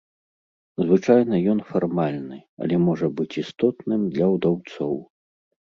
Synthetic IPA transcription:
zvɨt͡ʂajnɐjɔn̪farmalʲnɨɐ̰lʲɛmɔʐɐbɨt͡sʲist̪ɔt̪nɨmd̪lʲɐwd̪awt̪sɔw

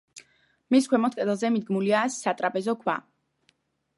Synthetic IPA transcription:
miskʰwɛmɔt̪̚ʰkʼɛd̪ɛlˠzɛmid̪̚ɡmuliasːat̪ʼɾapʼɛzɔkʰwa̰

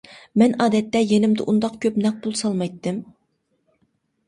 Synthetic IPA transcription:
mɛnɑːd̪ɛt̪ːɛjenɪmd̪ɪ̰ʔund̪ɑqkʲʰøpnɛq̚bulˠsɑlˠmɑjt̪ːɨm

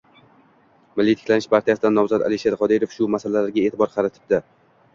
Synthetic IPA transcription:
mɪlːijt̪ʰɪ̥kʲlanɪʃpʰaɾt̪ʰijasɪd̪anːɒmzat̪a̰lɪʃeɾqʰɒd̪iɾofʃʊmasalalaɾɡʲaeːt̪ʰɪbɒɾqʰɑɾat̪ʰɪ̥b̚d̪ɪ

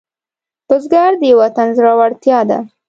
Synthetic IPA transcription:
pəzɡɑɾd̪əjawat̪anzɾawaɽt̪jɑd̪a̰

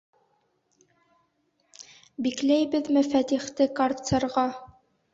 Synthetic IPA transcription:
biklæjbɘ̆ðmɘfæt̪iχt̪ɘkart̪sɤ̆ɾʁɑ

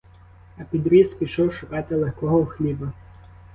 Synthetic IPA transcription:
ɐpʲid̪ɾʲispʲiʃɔwʃʊkɑt̪ɪlˠexkɔɦɔwxlʲibɐ

